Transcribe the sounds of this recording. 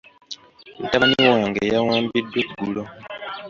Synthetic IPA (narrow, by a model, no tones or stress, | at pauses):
n̩taaniwaːŋɡḛjawaːmbidweɡulo